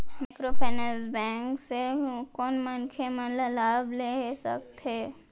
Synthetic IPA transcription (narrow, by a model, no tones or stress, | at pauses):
mɪkɾofʰɛːnəsbɛ̃ːŋksekɔːnmɐnkʰemɐ̃ləlaːbleɦsək̚t̪ɦeː